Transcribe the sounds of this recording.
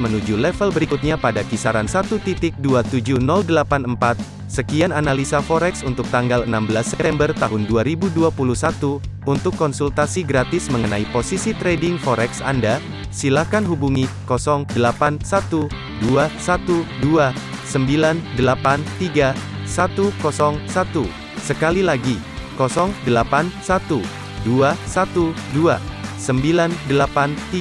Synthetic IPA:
mənud͡ʒulɛfəlbəɾikut̪̚ɲapadakisaɾansat̪ut̪it̪ɪk̚duat̪ud͡ʒunɔldəlapanəmpat̪̚ | səkiananalisafɔɾɛksunt̪ʊk̚t̪aŋɡalənambəlasːɛt̪ɛmbərt̪aɦʊnduaɾibuduapuluhsat̪u | unt̪ʊkːɔnsult̪asiɡɾat̪ɪsməŋənaiposisit̪ɾedɪŋfɔɾɛksa̰nda | silakanɦubuŋikɔsɔŋdəlapansat̪u | duasat̪udua | səmbilandəlapant̪iɡa | sat̪ukɔsɔŋsat̪u | səkalilaɡi | kɔsɔŋdəlapansat̪u | duasat̪uduasəmbilandəlapant̪i

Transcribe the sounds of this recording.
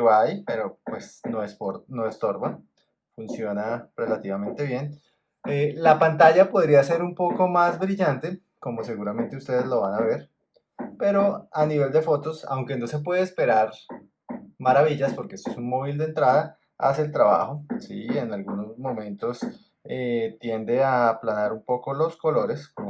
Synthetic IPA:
wajpe̞ɾopwe̞snoespoɾno̞est̪o̞ɾba | funsjo̞nare̞lat̪iβamẽ̞nt̪e̞βje̞n | elapant̪aʝapo̞ðɾiase̞ɾumpo̞ko̞mazbɾiʝant̪e̞ | ko̞mose̞ɣuɾamẽ̞nt̪eust̪e̞ðezlo̞β̞anaβe̞ɾ | pe̞ɾo̞aniβe̞ld̪e̞fo̞t̪o̞sa̰wŋke̞no̞se̞p̬we̞ð̞espe̞ɾaɾ | maɾaβiʎaspo̞ɾkeest̪oesunmoβild̪ent̪ɾaða | a̰seːlt̪ɾaβa̰xo̞sḭenalɣuno̞zmõ̞mẽ̞nt̪o̞s | et̪je̞nd̪e̞aplanaɾumpo̞kolo̞sko̞lo̞ɾe̞skom

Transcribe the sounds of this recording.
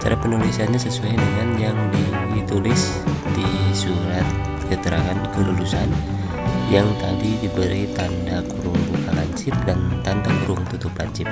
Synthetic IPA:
t͡ʃa̰ɾapənulisanɲasəsuajnəŋanjaŋdi | t̪ulɪs | disuɾat̪̚ | kət̪əɾaŋankəlulusan | jaŋt̪adidibəɾit̪andakuɾʊŋbukala̰ɲt͡ʃɪp̚dant̪andakuɾʊŋt̪ut̪uplaɲt͡ʃɪp̚

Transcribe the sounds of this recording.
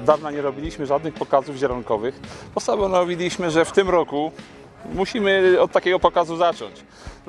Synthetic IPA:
d̪avnaɲɛɾɔbʲilʲiɕmɘʐad̪nɘxpɔkazuvʑɛɾɔnkɔvɘxpɔsabɔnɔvʲilʲiɕmɘʐɛft̪ɘmɾɔku | muɕimɘɔt̪t̪ːakʲɛɡɔpɔkazuzat͡ʂɔ̰ɲt͡ɕ

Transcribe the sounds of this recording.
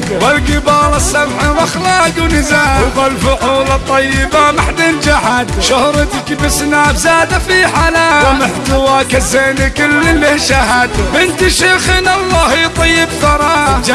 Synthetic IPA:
walɡɪbɑːlɑsːɑmħiɾˤɑxlaɡwnɪzaːwbalfʊʔuːlɑt̪ˤːɑjːɪbamaħd̪ɪnd͡ʒaħad̪ʃʊhɾˤt̪kibɪsnaːbzaːd̪afiħalaːwmɪħt̪ʊwakazeːnikɪlːɪlːɪʃaɦad̪bɪnt̪iʃeːxɪnɑlːɑːhit̪ˤɑjːɪbθɑɾˤɑd͡ʒ

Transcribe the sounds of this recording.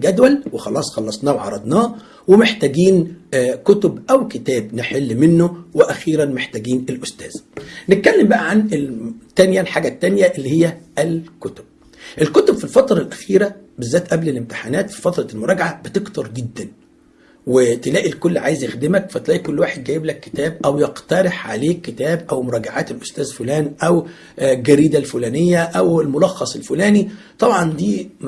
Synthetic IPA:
ɡæd̪wælwexɑlɑːsˤxɑlːɑsˤnɑːwʕɑ̰ɾˤɑd̪nɑː | wemeħt̪æːɡiːnkʊt̪obʔæwket̪æːbneħelːmɪnːoweʔæxiːɾænmeħt̪æːɡiːnelʔʊst̪æ̰ːz̥net̪̚kælːembæʔæʕanet̪ːænjælħaːɡæt̪ːænjæʔelːihejːæʔælkʊt̪o̥b̥̚ | ʔelkot̪obfilfɑt̪ɾˤɑlʔæxiːɾæbezːæːt̪ʔæblelemt̪ɪ̥ħanæːt̪fi̥fɑt̪ɾˤɑlmoɾˤɑːɡaʕabɪt̪ekt̪ɑɾˤɡed̪ːæn | wet̪elæːʔilkolːʕaːjezjexd̪ɪmækfæt̪læːʔikolːwaːħed̪̚ɡæjeblækːe̥t̪æːb̚ʔæwjeqt̪ɑɾˤeħʕa̰leːkːet̪æːbʔæwmoɾˤɑːɡaʕaːt̪elʔost̪æːzfolæːnʔæw | lɡæɾiːd̪ælfulæːnejːæʔæwelmolɑxːɑsˤelfulæːnit̪ˤɑbʕɑnd̪iː

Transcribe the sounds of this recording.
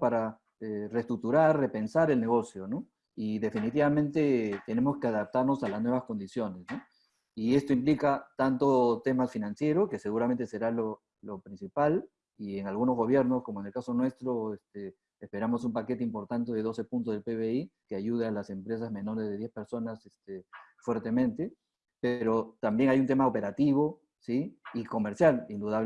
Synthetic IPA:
paɾa | erest̪ɾuk̚t̪uɾarre̞pe̞nsaɾe̞lne̞ɣo̞sjo̞no̞ | iðe̞finit̪iβamẽ̞nt̪e̞t̪e̞ne̞mo̞skeaðap̚t̪aɾno̞salaznwe̞βasko̞nd̪isjo̞ne̞sno̞ | ie̞st̪oimplikat̪ant̪o̞t̪e̞mafinansje̞ɾoke̞se̞ɣuɾame̞nt̪e̞se̞ɾalo | lo̞pɾinsipal | ie̞ŋalɣuno̞zɣo̞β̞je̞ɾno̞sko̞moeŋe̞lkaso̞nwe̞st̪ɾo̞est̪eː | spe̞ɾamo̞sumpake̞t̪eimpo̞ɾt̪ant̪e̞ð̞e̞ðo̞se̞punt̪ozðelpeβeikeaʝuð̞ealase̞mpɾes̬azme̞no̞ɾezðe̞ðjespe̞ɾso̞nasest̪efweɾt̪e̞mẽ̞nt̪e̞ | peɾo̞t̪ambje̞ŋajunt̪e̞maope̞ɾat̪iβ̞o̞ | siiko̞me̞ɾsjalind̪uðaβ

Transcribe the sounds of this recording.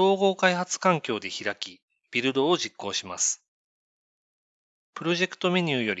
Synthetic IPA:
o̞ːɡo̞ːkaihat͡sɨ̥kãŋkʲo̞ːd̪e̞çiɾakʲi | b̥ʲiɾɯ̟d̪o̞ːʑikːo̞ːɕima̰sɨ̥ | pɯ̟ɾo̞ʑe̞kɯ̟̥t̪o̞me̞ɲ̟ʲɨːjo̞ɾʲ

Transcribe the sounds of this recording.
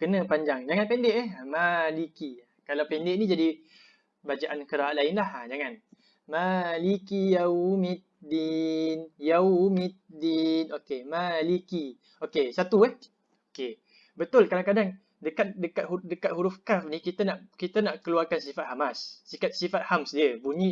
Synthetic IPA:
kənãpaɲd͡ʒaŋd͡ʒaŋanpɛndeʔɛhmalikiakalawpɛndeʔnid͡ʒadi | bad͡ʒaʔankəɾaalaɪnlahad͡ʒaŋan | malikijaumit̪̚dinjaumit̪̚dinokemaliki | okesat̪uɛh | oke | bət̪ʊlkadaŋkadaŋ | dəkat̪̚dəkat̪̚ɦudəkat̪̚huɾʊfkafnikit̪anaʔkit̪anaʔkəluarkansifat̪̚hamasːikat̪̚sifat̪̚hamsdiəbuɲi

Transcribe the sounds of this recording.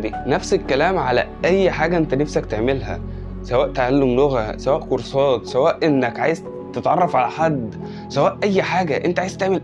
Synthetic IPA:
næfsekːælæːmʕalæ̰ʔæjːħaːɡæʔent̪ænefsækt̪eʕmelɦæ̰ | sæwæːʔt̪eʕalːomloɣæsæwæːʔkoɾsˤɑːt̪sæwæːʔʔenːækʕaːjez | t̪et̪ʕɑrˤːɑfʕalæħad̪ː | sæwæːʔʔæjːħaːɡæʔḛnt̪æʕajzt̪eʕmel

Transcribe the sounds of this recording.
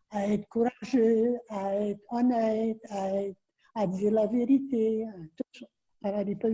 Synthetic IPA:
aɛt̪χkuʁaʒøaɛt̪χɔnɛt̪aɛt̪ | ad̪iːʁlaveʁit̪eat̪uʃ | anadipa

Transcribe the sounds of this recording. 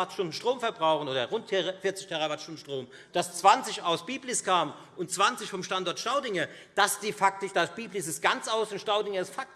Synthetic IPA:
atʃtʊndn̩ʃtʁ̥oːmfɛɐbʁaʊxn̩oːdɐʁʊntʰɛʁfɪɐt͡sɪçtʰɛʁavatʃtʊndn̩ʃtʁ̥oːm | d̥ast͡sv̥ant͡sɪçaʊsb̥iːblɪskʰaːmən | ʊntt͡sv̥ant͡sɪçfɔmʃtandɔɐtʃtaʊdɪŋə | d̥asd̥iːfak̚tɪʃd̥ab̥iːplɪsɪst̚ɡ̥ant͡sʔaʊsʊnʃtaʊdɪŋəɪstfak̚t

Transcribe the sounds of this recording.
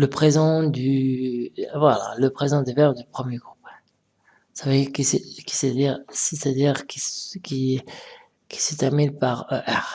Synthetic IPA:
ləpχezɑ̃d̪y | vwala̰ləpχezɑ̃d̪evɛʁd̪ypχəmjeɡʁup | saveiʁkisekʲi̥sed̪iʁset̪ad̪iʁkʲikʲi | kʲi̥sət̪ɛʁminpaʁøʔɛʁ

